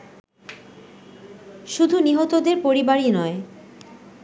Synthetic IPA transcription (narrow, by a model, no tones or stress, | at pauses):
ʃud̪ʱuniɦot̪od̪eɾpoɾibaɾinɔe